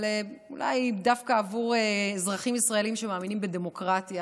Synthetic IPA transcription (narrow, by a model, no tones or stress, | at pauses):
leṵla̰jdafkaːvuʁezʁaχimisʁaeliimʃemaːminimbedemo̞kʁat̪ja